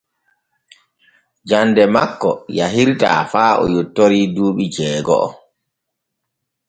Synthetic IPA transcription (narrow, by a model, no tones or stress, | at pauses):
d͡ʒandɛmakːɔjaɦiɾta̰ːfaːɔ̰jotːoɾiːduːɓid͡ʒɛːɡɔ̰ʔɔ̰